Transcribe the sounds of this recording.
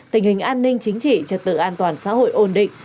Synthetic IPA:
t̪ï˨˩ŋ̟hï˨˩ŋ̟ʔaː˧nːï˧ŋ̟t͡ɕï˨˦ŋ̟t͡ɕḭ˧˨t͡ɕə˨˩t̚t̪ɨ̰˧˨ʔaː˧nt̪waː˨˩nsa̰ː˧˥ho̰˧˨jʔo˧˩nɗḭ̈˧˨ŋ

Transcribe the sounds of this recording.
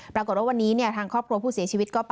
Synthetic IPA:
ppɾa˧ko˨˩t̚waː˥˩wa˧nːiː˦˥ni˥˩ət̪ʰaː˧ŋkʰɾɔː˥˩p̚kʰɾu˧əpʰuː˥˩si˨˩˦t͡ɕʰiː˧wi˦t̪̚kɔː˥˩p

